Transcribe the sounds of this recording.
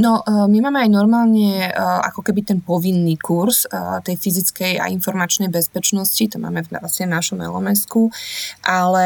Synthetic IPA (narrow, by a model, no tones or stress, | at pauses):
nɔmimaːmɛajnɔɾmaːlɲɛa̰kɔkɛbit̪ɛnpɔʋinːikuɾst̪ɛjfizit͡skɛja̰ʔinfɔɾmat͡ʃnɛjbɛspɛt͡ʃnɔscit̪ɔma̰ːmɛvnasiɲɛvnaʃɔmɛ̰lɔ̰mɛskuʔalɛ